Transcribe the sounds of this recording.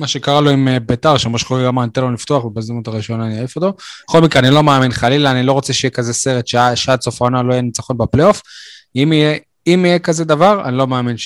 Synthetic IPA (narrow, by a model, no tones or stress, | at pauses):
maʃe̞kaʁalo̞imbetaʁʃemoʃχoʁiɡamant̪elonlift̪oaχvebezimutaʁiʃajonaniaifot̪o̞beχo̞lmikʁeanilo̞maːminχalilaːnilo̞ʁot͡seʃeijekaze̞se̞ʁet̪ʃeaʃat͡sofaonaloajenit͡saχo̞nbepleo̞fimije | imijekazed̪avaʁa̰nilo̞maːminʃ